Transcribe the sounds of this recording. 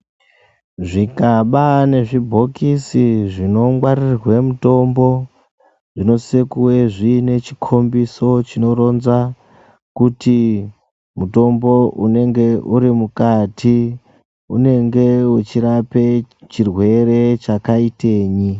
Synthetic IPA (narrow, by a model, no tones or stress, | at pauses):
ʐikaɓane̞ʐibʱo̞kisiʐino̞ŋwarirwe̞muto̞mbo̞ | ʐ̥ino̞sekuwe̞ʐine̞t͡ʃikʰo̞mbiso̞t͡ʃino̞ɾo̞nza | kuti | muto̞mbo̞ʔune̞ŋɡe̞ʔuɾimukatʰi | une̞ŋɡe̞ut͡ʃiɾapet͡ʃirwe̞re̞t͡ʃakaite̞ːɲi